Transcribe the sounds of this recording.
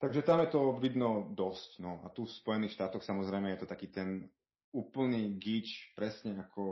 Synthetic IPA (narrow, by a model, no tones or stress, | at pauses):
t̪aɡʒɛt̪amjɛt̪ɔʋid̪nɔd̪ɔscnɔa̰t̪ufspɔjɛniːxʃt̪aːt̪ɔxsamɔzɾɛjmɛjɛt̪ɔt̪akiːt̪ɛn | uːpl̩niːɡit͡ʃpɾɛsɲɛakʰɔ